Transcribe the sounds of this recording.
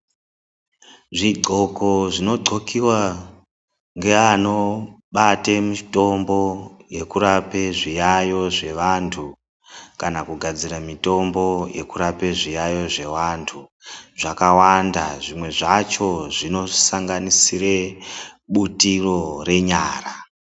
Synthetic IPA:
ʐiɡ͡ǃʱoko̞ʐino̞ǃo̞kiwa | ŋɡe̞ano̞ | ɓatemito̞mbo̞je̞kuɾape̞ʐijajo̞ʐe̞ʋantʰu | kanakuɡʱad͡ziramito̞mbo̞je̞̰kuɾape̞ʐijajo̞ʐe̞wantʰuʐakawandaʐimwe̞ʐat͡ʃo̞ʐino̞saŋɡanisireɓutiro̞re̞ɲaːra

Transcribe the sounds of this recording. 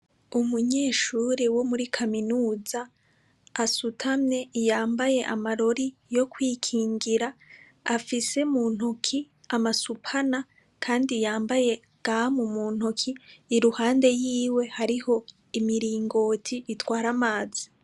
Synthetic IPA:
umuɲe̞ːʃuːɾewo̞muɾikʰaminuːzaː | sutʰamne̞jaːmbaje̞ʔamaɾo̞ɾijo̞kwiːkʰiːŋɡiɾa | afise̞muːn̥ukʰi | amasupʰana | kʰaːndijaːmbaje̞ | ɡ̥aamumuːn̥hukʰiːɾuhaːnde̞jiːwe̞haɾiho̞ | imiɾiːŋɡo̞ːtʰiitwaːɾamaːzi

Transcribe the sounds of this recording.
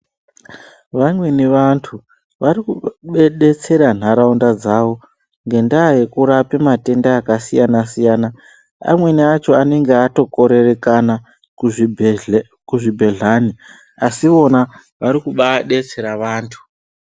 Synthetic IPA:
ʋamwe̞niʋantʰu | ʋaɾikuɓeɗe̞t͡se̞ɾan̤aɾaundad͡zaʋo̞ | ŋɡe̞ndaːje̞kuɾape̞mate̞ndaːkasijanasijaːna | a̰mwe̞niat͡ʃo̞ane̞ŋɡeato̞ko̞ɾe̞re̞kana | kuʐibʱe̞ɮani | asio̞na | ʋaɾikuɓaɗe̞t͡se̞ɾaʋaːntʰu̥

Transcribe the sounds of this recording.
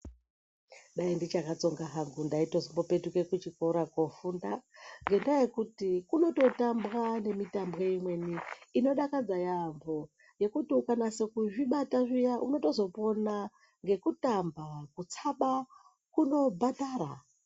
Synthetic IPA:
ɗaindit͡ʃakat͡so̞ŋɡaɦaŋɡundaitozombo̞pe̞tuke̞kut͡ʃikoɾakofundaŋɡe̞ndaje̞kutikuno̞to̞tambwane̞mitambweimwe̞niːno̞ɗakad͡zajambo̞ | je̞kutiukanase̞kuʐiɓataʐijaʔuno̞to̞zo̞po̞na | ŋɡe̞kutambakut͡saɓa | kuno̞bʱataːɾa

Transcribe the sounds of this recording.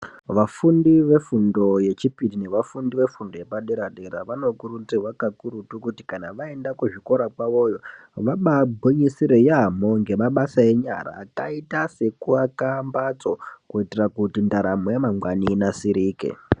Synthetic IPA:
ʋafundiʋe̞fundo̞je̞t͡ʃipidine̞ʋafundiʋe̞fundo̞je̞paɗeɾaɗeɾa̰ʋano̞kuɾutirwakakuɾutukutikanaʋae̞ndakuʐiko̞ɾakwaʋo̞jo̞ | ʋaɓabʱoɲisiɾejeɦamoŋɡe̞maɓasae̞ɲa̰ɾa̰ːka̰itase̞kuakambat͡sokuitirakutindaɾamojemaŋɡwaninasiɾiːkḛ

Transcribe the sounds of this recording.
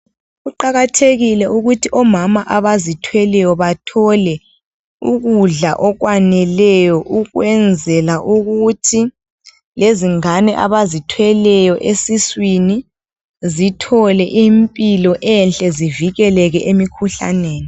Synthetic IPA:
ɣuǃaɣatʰeɣilɛuɣutʰiʔɔmamaʔaβazitʰwɛlɛjɔβatʰɔlɛ | uɣuɮaʔɔɣwanɛlɛjɔʔuɣwɛnd͡zʱɛlaʔuɣutʰi | leziŋanɛʔa̰βazitʰwɛlɛjɔʔesiswini | zitʰɔlɛʔiːmpʼilɔʔɛnɬʼɛziviɣɛlɛɣɛʔemikʰuɬa̰neːni

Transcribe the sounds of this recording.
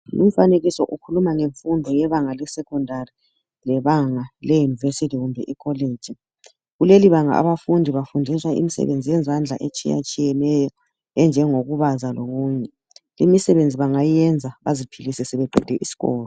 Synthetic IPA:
lum̩faneɣisɔʔukʰulumaŋeɱfundʱɔjɛβaŋalɛsɛkʰɔndʱari | lɛβaŋalɛjunivesitiɣumbʱɛʔikʰɔleːd̥d͡ʒ̥ʱi | ɣuleliβaŋa̰a̰βafundʱiβafundʱiswaʔḭmisɛ̰βend͡zʱijɛnzʱand͡ɮʱa̰ʔet͡ʃʼḭja̰t͡ʃʼijɛnɛjɔ | ɛnd͡ʒʱɛŋoɣuβazaloɣuːɲɛ | limisɛβend͡zʱiβaŋajɛnd͡zʱaβazipʰilisɛsɛβɛǃʱɛ̰d̥ʱɛʔisi̥ɣɔːlɔ

